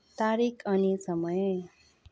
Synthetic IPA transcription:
t̪aɾikʰʌnisʌmʌj

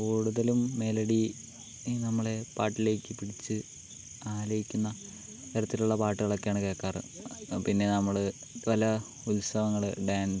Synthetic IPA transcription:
kuːɽuðɐlumːe̞lɐɽi | nɐmːɐɭe̞paːʈːile̞ːkʲːɨpiɽit͡ɕːɨ | aːlɐjikʲːunːɐ | ɐɾɐt̪ːiluɭːɐpaːʈːɨɣɐɭokːeaːɳɨke̞ːkːaːrɨ̰pinːe̞nɐmːɐɭɨʋɐlɐ | ulsɐʋɐŋːɐɭɨɖaːn

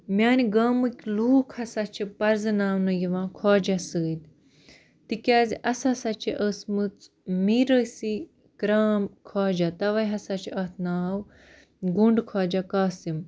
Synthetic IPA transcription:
mʲaːniɡaːmɨkʲluːkʰhɐsat͡ʃʰipɐɾzɨnaːwnɨjiʋãːkʰɔːd͡ʒasəːd̪ | t̪ikʲaːzʲiʔɐsasɐt͡ʃʰiʔəːsmɨt͡s | miɾəsi | kɾaːmkʰaːd͡ʒat̪ɐʋɐjɦɐsat͡ʃʰiɐːt̪ʰnaːw | ɡuɳɖkʰaːd͡ʒakaːsim

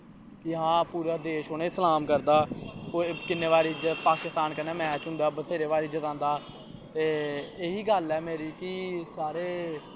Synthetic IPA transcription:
kɪɦãːpuːɾaːd̪eːʃoːneːsəlaːmkəɾd̪aːokɪnːeːʋaːɾiːɪd͡ʒət̪paːkɪst̪aːnkənːeːmɛːt͡ʃɦʊ̃nd̪aːbət̪ʰeːɾeːʋaːɾiɪd͡ʒːət̪ãːnd̪aː | t̪eːeːɦiːɡəlɛːmeːɾiːkɪsaːɾeː

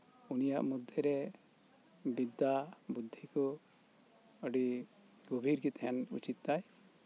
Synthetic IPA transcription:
unija̰ʔmud̪ʱːɛɾɛ | bid̪ːabud̪ʱːikɔ | əɖi | ɡɔbʱiɾɡit̪ɦɛnṵt͡ʃit̪ːaj

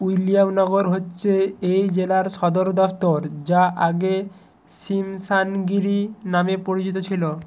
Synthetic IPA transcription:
ujlijamnɔɡoɾɦotːɕʰeejd͡ʑelaɾʃɔd̪oɾd̪ɔpʰt̪oɾd͡ʑaʔaɡe | simsanɡiɾinamepoɾit͡ɕit̪ot͡ɕʰilo

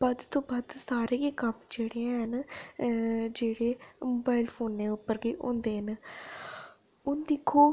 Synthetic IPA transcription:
bad̪t̪õːbaːd̪saːɾeɡiːkəmd͡ʒeːɽeãɦən | d͡ʒeːɽeːmoːbaːɪlpʰoːnːeːʊpːəɾɡeːʔõ̰ːnd̪eːɦən | ʊnd̪ɪkʰːoː

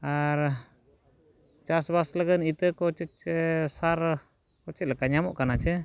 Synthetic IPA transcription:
aɾ | t͡ʃasbasləɡənit̪əkɔt͡ʃɛt͡ʃsaɾ | kɔt͡ʃɛt̪̚lɛkaɲamɔʔkanat͡ʃʰɛ

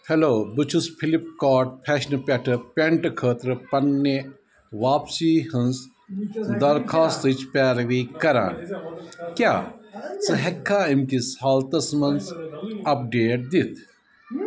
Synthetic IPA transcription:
heloːbɨt͡ʃʰuspʰilip̚kaːʈ̚pʰɛʃnpʲɐʈʰɨpʲeɳʈkʰəːt̪ɾɨpɐnːe | ʋaːpsiːhɐns | d̪ɐɾkʰaːst̪ɨt͡ʃʰpʲɛːɾʋiːkɐɾa̰ːn | kʲjaːt͡sɨɦekʰːaːimkishaːlt̪ɐsmɐnsɐp̚ɖeːʈ̚d̪it̪ʰ

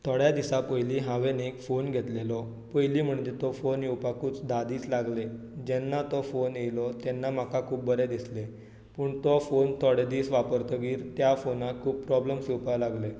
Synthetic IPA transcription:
t̪ʰɔɽjad̪isapəjliːɦãʋenekfonɡʱet̪lelɔ | pojliːm̤əɳd͡ʑet̪ɔfonjewpakuːt͡sd̪ʱad̪iːslaɡle | d͡ʑɛnːat̪ɔfonjejlɔt̪ɛnːam̤akakʰuːp̚bəɾed̪isle | puːɳt̪ɔfont̪ʰɔɽed̪iːsʋapəɾt̪ʰəɡiːɾt̪jafonakʰuːb̚pɾɔbləmsiwpalaɡle

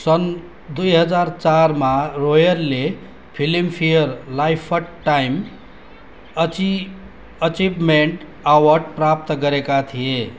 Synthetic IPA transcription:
sʌn | d̪ujɦʌd͡zaɾt͡saɾmaɾojʌɾle | pʰilimpʰijəɾlajpʰʌʈʈajm | ʌt͡ʃibmeɳʈ | awʌɾʈpɾap̚t̪ɡʌɾekat̪ʰije

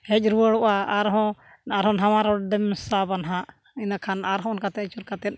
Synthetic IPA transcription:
hɛc̚ˀɾuəɽɔʔaaɾɦɔ̃ | naɾɦɔnɦamaɾɔɖɛmsabanɦaʔ | inakʰanaɾɦɔ̃ɔnkat̪ɛt̪t͡ʃuɾkat̪ɛt̪̚

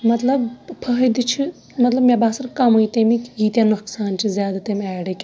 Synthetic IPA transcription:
mɐt̪lɐbpʰɐɦd̪ɨt͡ʃʰi | mɐt̪lɐbmʲebaːsɐɾkɐmujt̪emikʲɡiːt̪januksaːnt͡ʃʰizʲjaːd̪at̪emʲɛːɖɐkʲ

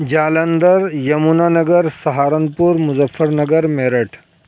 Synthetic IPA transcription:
d͡ʑaːlənd̪əɾjɐmunanɐɡəɾsɐɦaːɾənpuɾmuzəfːəɾnɐɡəɾmeɾəʈʰ

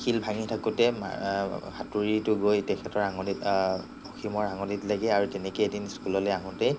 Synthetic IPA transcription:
kʰilbʱaŋitʰakʊtɛm̰kʰatuɹitʊɡojtɛkʰɛtɔɹaŋɔdit | oximɔɹaŋɔditlaɡɛaɹutɛnɛkojedinskulɔlojaɦʊ̃tɛ

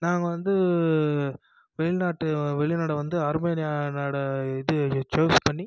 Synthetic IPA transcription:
naːŋɡɐʋɐnd̪ɯ | ʋɛɭɪnaːʈːɯʋɛɭɪnaːɽɐʋɐnd̪ɯɐɾmeːnɪjaːnaːɽɐɪðɯt͡ʃoːspɐɳːi

